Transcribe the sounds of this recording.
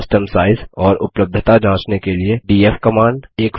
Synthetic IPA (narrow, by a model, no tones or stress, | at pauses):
sʈəmsaːɪzɔːɾʊpləb̚d̪ʱət̪ad͡ʒãːt͡ʃnekelieɖiːefkɐmãːɳɖeːk